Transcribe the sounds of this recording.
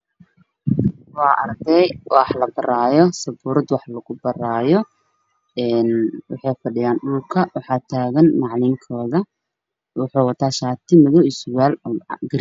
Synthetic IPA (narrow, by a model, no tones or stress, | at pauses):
wɑːʔɐ̰rd̪ɛjʔħlɐbɐraːjɔsɐbuːɾɐd̪wɑħlɐɣʊbɐraːjɔ | ɛːnwɑ̰ħɑjfɐɖɪjaːnɖʊlkʰɐwɑħɑːt̪ʰaːɣɐnːɑʕlɪŋkʰɔːðɐ | wɑħuːwɐt̪ʰaːʃaːt̪ʰɪmɐðɔɪsʊwaːlɡɐɾ